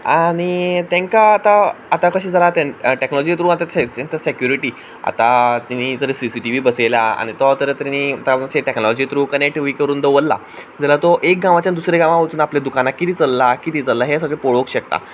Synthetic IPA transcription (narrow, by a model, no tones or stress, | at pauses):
aɽ̃it̪ãŋkaːt̪aːt̪akəɕiːd͡zalat̪ẽnʈeknɔlɔd͡ʑit̪ɾuːat̪aeẽt̪əsekjuɾiʈiː | a̰t̪at̪init̪əɾesisiʈiʋiːbəselaa̰ñit̪ɔt̪əɾet̪anit̪aɕeʈeknɔlɔd͡ʑiːt̪ɾuːkənek̚ʈʋiːkəɾuːnd̪əʋəlːa̰ | d͡zɛlat̪ɔʔek̚ɡãʋ̃at͡ɕand̪usɾeɡãʋãʋət͡suːnapled̪ukanakkːit̪iːt͡səlːakit̪iːt͡səlːaɦesəɡɭepoɭokɕək̚t̪a̰